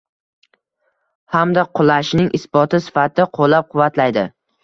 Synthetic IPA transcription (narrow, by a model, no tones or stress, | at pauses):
hamd̪aqʰʊlˠaʃnɪŋʔɪsbɒt̪ʰɪsɪ̥fat̪ʰɪqʰolːap̚qʰʊvːat̪lajd̪ɪ